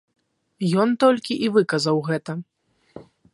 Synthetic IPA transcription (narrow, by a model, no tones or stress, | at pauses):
jɔnt̪ɔlʲkʲiʔivɨkɐzɐwɣɛt̪ɐ